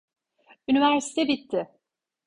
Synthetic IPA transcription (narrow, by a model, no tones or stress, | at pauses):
ynivæɾsi̥t̪ʰɛbit̪ʰːɪ